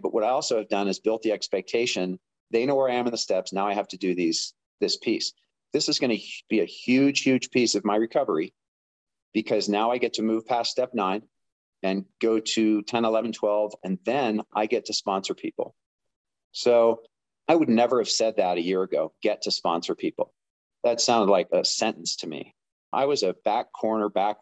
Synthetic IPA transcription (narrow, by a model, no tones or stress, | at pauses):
b̥ʌʔ̚wʌɾaɪɔlˠsoʊɨvdʌ̃nɨzbɪlˠt̪̚ðiɛkspɛk̚tʰeɪʃɨ̃n | ðeɪnoʊwə˞aɪɨ̃mnðɨstɛpsnaʊaɪɦæftɨdɨðiz̥ | ðɪspʰis | ðɪsɨzɡʌñɨb̥iɨhjʉd̥ʒ̥hjʉd̥ʒ̥pʰisʌvmaɪɹɨkʰʌvə˞i | b̥ɨkʰʌznaʊaɪɡɛtʰɨmʉv̥pʰæststɛp̚nãɪ̃n | ɨ̃nɡ̥oʊɾɨtʰɛ̃nəlɛvn̩tʰw̥ɛlˠvɨ̃nðɨ̃nʔa̰ɪɡɛtʰɨspɑ̃nsə˞pʰipl̩ˠ | soʊ | aɪwɨdⁿnɛvə˞ɨv̥sɛd̪̚ðəɾɨjɪɹɨɡoʊɡ̥ɛtʰɨspɑ̰̃nsə˞pʰipl̩ˠ | ðɨtsãʊ̃ndˡlaɪkɨsɛ̃ñʔn̩stʰɨmḭ | ʔa̰ɪwʌzɨb̥ækʰɔɹnə˞bæk̚